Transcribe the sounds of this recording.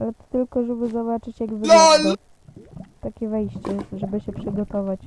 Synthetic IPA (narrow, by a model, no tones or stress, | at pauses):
ʔalɛt̪t̪ɘlkɔʐɛbɘzɔbat͡ʂɘt͡ɕjaɡvɔa | t̪akʲɛvɛjɕt͡ɕɛʐɛbɘɕɛpʂɘɡɔt̪ɔvat͡ɕ